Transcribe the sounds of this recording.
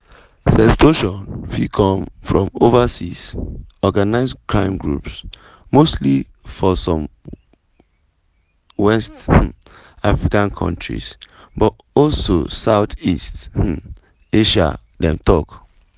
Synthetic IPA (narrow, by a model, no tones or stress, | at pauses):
sɛstoʃɔ̃nfikʰɔ̃mfɹɔ̃movasisɔɡanaɪskʰɹãɪ̃mɡɹṵps | mostli | fɔsɔ̃m | wɛst | afɹikãnkʰɔ̰̃ntʰɹḭs | bɔt | ɔlsosaʊtist | eʃa̰ | dɛ̃mtʰɔk